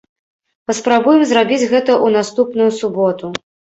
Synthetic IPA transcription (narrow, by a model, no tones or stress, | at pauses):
pɐspɾabujɛmzɾabʲid͡zʲɣɛt̪ɐʔunast̪upnujusubɔt̪u